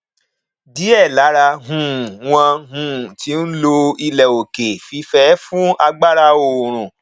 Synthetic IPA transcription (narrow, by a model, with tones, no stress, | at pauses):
di˨˦ɛ˦˨la˨˦ɾa˧ɦũ˨˦˨w̃ã˧ɦũ˦˨ti˨˦n̩˦lo˧i˧lɛ˨o˨ke˨fi˧fɛ˨˦fũ˦a˧ɡ͡ba˦ɾa˧o˨ɾ̃ũ˨